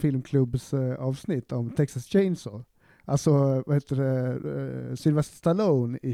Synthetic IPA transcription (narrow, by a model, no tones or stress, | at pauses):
fɪlmkʰlɵbsɑːvsnɪt̪ʰːɔmt̪ʰɛksast͡ʃɛɪnsɔ | ʔalsɔvaheːt̪ːəɖɛ | sʏnɪvɛʂst̪aloːnɪ